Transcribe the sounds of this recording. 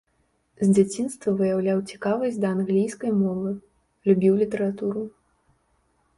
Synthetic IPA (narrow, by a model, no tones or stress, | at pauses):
zʲd͡zʲat͡sʲinst̪vɐvɨjawlʲawt͡sʲi̥kavɐsʲd̪ɐːnɣlʲijskɐjmɔvɨ | lʲubʲiwlʲit̪ɛɾat̪uɾu